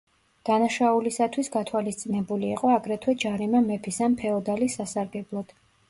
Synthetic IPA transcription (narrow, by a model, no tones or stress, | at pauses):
d̪̥anaʃaulisat̪ʰwisɡat̪ʰwalist̪sʼinɛbuliːqʼɔaɡɾɛt̪ʰwɛd͡ʒaɾimamɛpʰisanpʰɛɔd̪alisːasaɾɡɛblˠɔd̪̥